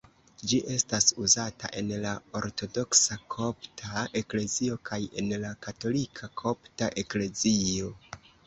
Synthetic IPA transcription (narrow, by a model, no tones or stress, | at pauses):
d͡ʒiʔe̞stasuzata̰ʔe̞nlao̞ɾto̞do̞ksakʰo̞ptʰae̞kle̞zio̞kʰaje̞nlakato̞likʰakʰo̞ptaʔe̞kle̞zio̞